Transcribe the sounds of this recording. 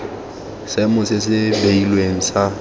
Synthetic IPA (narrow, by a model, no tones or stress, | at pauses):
semʊsɪsɪbeilweŋ̩sa